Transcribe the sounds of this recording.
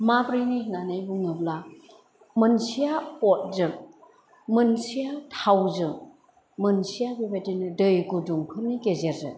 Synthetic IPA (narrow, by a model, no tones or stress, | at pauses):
mabɾininanɯjbuŋnɯbla | mɯnsijapɔt̚zɯ | mɯnsijatʰawzɯ | mɯnsijabibadinɯdɯjɡuduŋkʰɯniɡezeɾzɯ̰